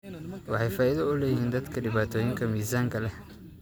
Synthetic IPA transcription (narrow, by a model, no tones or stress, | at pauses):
wɑħɑjfaːʔɪðɐʊlɛːjɪhiːnd̪ɐd̪kʰɐɖɪβaːt̪ʰɔːjɪŋkʰɐmiːsaːŋkʰɐlɛ